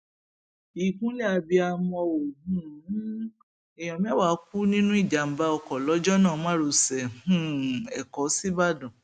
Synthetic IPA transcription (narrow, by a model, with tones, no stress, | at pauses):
i˨kũ˦lɛ˦˨a˧bi˧a˧mɔ̃˧o˨ũ˦˨˦ | ɛ˨j̃ɔ̃˨mĩ˦wa˨˦ku˦nĩ˦nũ˦i˦˨d͡ʒa˨m̩˨˦ba˦ɔ˧kɔ˨lɔ˨˦d͡ʒɔ˦nãː˦˨˦mã˦ɾo˧sɛ˨hũ˦˨ɛ˨kɔ˨˦si˦ba˦˨dɔ̃˨